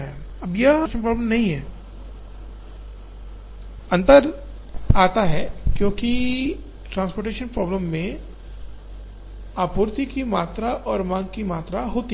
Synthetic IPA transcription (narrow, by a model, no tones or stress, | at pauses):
ɦɛ | ɐbjɐʃənpɾɔːbləmnɐɦĩɦɛː | ɐ̃nt̪əɾ | aːt̪aɦɛːkjõːki | ʈɾãːnspoːɾʈeːʃənpɾɔːbləmːẽ | aːpuːɾt̪ikimaːt̪ɾaʔɔːɾmãːŋɡkimaːt̪ɾaɦoːt̪i